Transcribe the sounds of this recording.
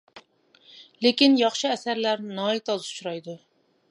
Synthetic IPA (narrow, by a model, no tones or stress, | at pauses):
lekʲinjɑχʃɨæsæɾlæɾnɑːit̪ʰɑzut͡ʃɾɑjd̪u